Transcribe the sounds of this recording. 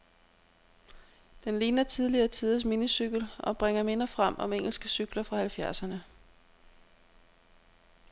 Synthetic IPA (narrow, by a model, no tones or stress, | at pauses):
d̥enliːnɐt͡sʰið̞ˠliɐːt͡sʰiðˠəs̬minisyɡ̥lɒ̽b̥ʁeŋ̰ɐme̝nɐfʁam̰ɒ̽meŋ̰l̩sɡ̥əsyɡ̥lɐfʁɑ̈hælfjæɐsɐnə